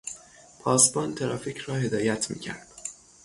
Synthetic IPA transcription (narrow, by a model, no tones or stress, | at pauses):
pʰɒːsbɒːnt̪ʰeɾɒːfiːcʰrɒːhe̞d̪ɒːjæt̪ʰmḭːcʰæ̰ɾd̪̥